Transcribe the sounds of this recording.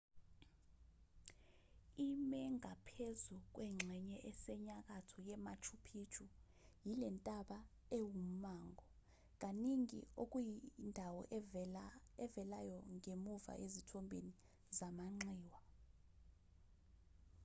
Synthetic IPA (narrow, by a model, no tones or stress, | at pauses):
imɛŋapʰezuk̬ʼwɛŋ͡ǁʱɛɲɛʔɛsɛɲak̬ʼatʰɔjɛmat͡ʃʰupʰiːt͡ʃʰʼu | jilɛntʼaɓa | ewum̩maːŋʱɔ | k̬ʼaniŋḭok̬ʼujindʱawɔʔ | ɛvɛlajɔŋemuva̰ʔezitʰɔmbʱḛni | zamaŋ͡ǁiːwa